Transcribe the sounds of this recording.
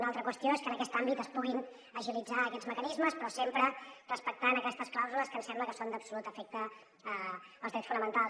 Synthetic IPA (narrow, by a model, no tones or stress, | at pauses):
nalˠt̪ɾəkwəst̪ioeskənəkɛst̪ambit̪əspuɣin | əʒilid͡zaəkɛdzməkənizməspɾɔsempɾərəspək̚t̪anəkɛst̪əsklˠawzuləskənsɛmbləkəsond̪əpsulut̪əfɛk̚t̪əː | lˠzðɾɛtsfunəmənt̪alˠs